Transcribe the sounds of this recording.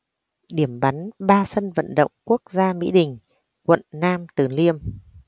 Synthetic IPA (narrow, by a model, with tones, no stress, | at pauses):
ɗi˧˩əmɓa˨˦nɓaː˧sə˧nvə̰˧˨nɗə̰˧˨wŋ͡mku˦˥ək̚zaː˧mḭ˧˥ɗï˨˩ŋ̟ | kwə̰˧˨nnaː˧mt̪ɨ˨˩li˧əm